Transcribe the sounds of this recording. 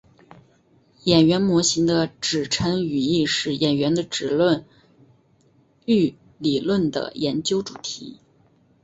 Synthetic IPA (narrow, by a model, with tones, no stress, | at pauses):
jɛ˨˩nɥɛ˧˥nmwɔ˧˥ɕi˧˥ŋd̪ə˧ʈ͡ʂɻ̩˨˩ʈ͡ʂʰə˧˥ŋy˨˩i˥˧ʂɻ̩˥˩jʔɛ˨˩nɥɛ˧˥nd̪ə˧ʈ͡ʂɻ̩˨˩lwə˥˧n | y˥˩ | li˨˩lwə˥˩nd̪ə̰˩jɛ˧˥nt͡ɕjo˥ʊʈ͡ʂu˨˩t̪ʰḭ˧˥